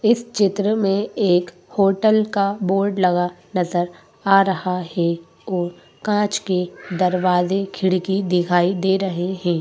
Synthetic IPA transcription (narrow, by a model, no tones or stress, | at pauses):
ɪst͡ʃɪt̪ɾəmẽeːk | hoːʈəlkaboːɾɖlɐɡanɐzəɾ | aːɾɐhaɦɛ | ɔːɾ | kãːt͡ʃked̪ɐɾʋaːzekʰɪɽ̤kid̪ɪkʰaːid̪eːɾɐɦeɦɛ̃ː